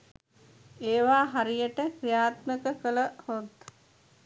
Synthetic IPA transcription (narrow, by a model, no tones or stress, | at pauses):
eːʋaːɦaɾijəʈəkrijaːt̪məkəkələhot̪